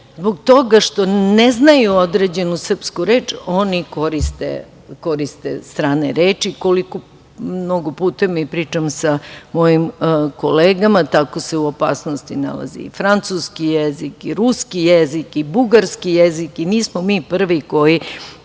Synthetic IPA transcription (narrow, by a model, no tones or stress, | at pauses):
zboɡ̚t̪o̞ɡaʃt̪o̞neznajuod̪ɾeːd͡ʑe̞nusr̩pskuɾeːt͡ʃo̞niko̞ɾist̪ḛ | ko̞ɾist̪ḛst̪ɾaːneɾeːt͡ʃikoliko | no̞ɡopuːt̪emipɾiːt͡ʃamsamo̞jimkoleːɡamat̪ako̞seuopa̰ːsnost̪ina̰la̰zḭḭfɾant̪suskijezikiɾuskijezikibuɡaɾskijezikiniːsmomiːpr̩ʋiko̞ji